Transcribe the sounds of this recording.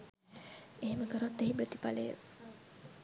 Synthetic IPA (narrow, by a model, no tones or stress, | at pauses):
eɦeməkəɾot̪ːeɦipɾət̪ipalḛ